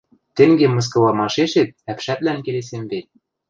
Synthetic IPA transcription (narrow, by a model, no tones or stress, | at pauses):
t̪ɘ̆ŋɡʲemɤ̆s̬kŏvɑmɑʃeʃet̪̚æpʃæp̪̚læŋkĕles̬embet̪̚